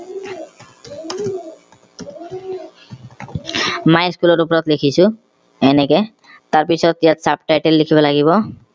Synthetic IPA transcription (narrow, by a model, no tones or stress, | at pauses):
majskulɔɾup̬ɔɾɔt̪likʰisu | ɛneke | t̪aɾpit͡ɕʰɔt̪jat̪sap̚ʈajʈelːikʰibelaɡibɔ